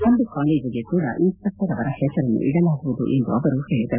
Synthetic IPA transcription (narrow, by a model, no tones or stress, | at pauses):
ɐnɖ̪ukaːled͡ʒiɡekuːɽɐ̰ʔiːspɐkt̪ɐɾɐʋɐɾɐhɛsɐɾɐnːṵʔiɽɐlaːɡuʋud̪ṵʔend̪uɐʋɐɾuheːɭid̪ɐ